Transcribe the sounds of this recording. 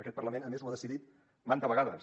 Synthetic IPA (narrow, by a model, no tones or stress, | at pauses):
əkɛt̪̚pərləmenəmezwəðəsiðit̪ | mant̪əβəɣaðə̰